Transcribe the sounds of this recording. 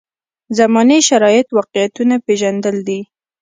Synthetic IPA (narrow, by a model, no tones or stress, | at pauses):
zamɑneʃaɾɑjɪt̪wɑqjat̪unapeʒand̪əld̪i